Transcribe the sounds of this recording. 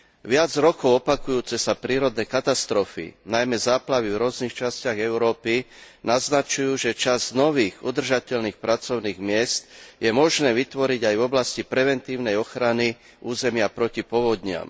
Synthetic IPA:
ʋɪad͡zɾɔkɔʊɔpakujuːt͡sɛsapɾiːɾɔd̪nɛːkat̪ast̪ɾɔfḭnajmɛzaːplaʋivɾʊɔznixt͡ʃascɪaɣɛʊɾɔːpi | naznat͡ʃujuːʒɛt͡ʃaznɔʋiːɣud̪r̩ʒacɛʎniːxpɾat͡sɔʊniːɣmɪɛst̪jɛmɔʒnɛːʋit̪ʋɔɾiɟajvɔblascipɾɛʋɛnt̪iːʊnɛjɔxɾani | ʔuːzɛmɪapɾɔcipɔʋɔd̪ɲɪa̰m

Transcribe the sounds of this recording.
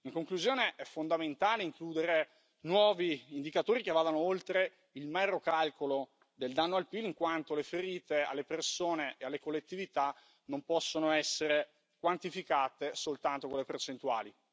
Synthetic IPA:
iŋkoŋkluzjoːneʔɛfːond̪ament̪aːleiŋkluːd̪eɾe | nwɔːviːnd̪ikat̪oːɾikevːaːd̪anoolt̪ɾe | ilmɛɾokalkolo | d̪eld̪anːoalpiliŋkwant̪olefeɾiːt̪ea̰lːepersoːneʔealːekolːet̪ːivit̪a | nompɔsːonoɛsːeɾe | kwant̪ifikaːt̪esolt̪ant̪okolːepert͡ʃent̪ua̰ːli

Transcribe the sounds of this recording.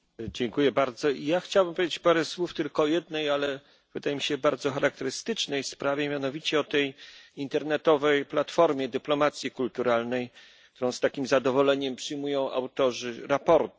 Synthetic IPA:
d͡ʑɛŋkujɛbaɾd̪zɔijaxt͡ɕawbɘmpɔvʲed͡ʑʲt͡ɕpaɾɛswuft̪ɘlkɔːjɛd̪nɛjalɛ | v̥ɘd̪ajɛmʲiɕɛbaɾd̪zɔxaɾak̚t̪ɛɾɘst̪ɘt͡ʂnɛjspɾavʲjɛmʲjanɔvʲit͡ɕɛɔt̪ɛjint̪ɛɾnɛt̪ɔvɛjplat̪fɔɾmʲjɛd̪ɘplɔmat̪sʲjikult̪uɾalnɛj | k̚t̪uɾɔ̃w̃st̪akʲimzad̪ɔvɔlɛɲɛmpʂɘjmujɔ̃w̃ʔa̰wt̪ɔʐɘɾapɔɾt̪

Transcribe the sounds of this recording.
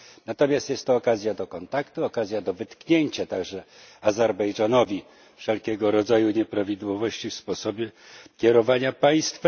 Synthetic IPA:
nat̪ɔmʲjast̪jɛst̪ːɔːkazʲjad̪ɔkɔnt̪akt̪uɔkazʲjad̪ɔvɘt̪kɲeɲt͡ɕat̪aɡʐɛazɛɾbɛjʐanɔvʲi | fʂɛlkʲɛɡɔɾɔd̪zajuɲɛpɾavʲid̪wɔvɔɕt͡ɕifspɔsɔbʲɛkʲɛɾɔvaɲapaj̃st̪f

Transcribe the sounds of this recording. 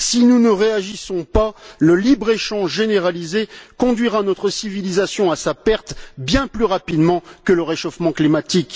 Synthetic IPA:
sinunəʁeaʒisɔ̃paləlibʁeʃɑ̃ʒʒeneʁalizekɔ̃d̪ɥiʁanɔt̪χəsivilizasjɔ̃asapɛʁt̪bjɛ̃plyʁapid̪mɑ̃kələʁeʃofmɑ̃klimat̪ik

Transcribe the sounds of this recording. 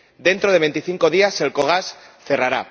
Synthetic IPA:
d̪e̞nt̪ɾo̞ð̞e̞βe̞nt̪iθiŋko̞ðiase̞lko̞ɣ̞asθe̞raɾa

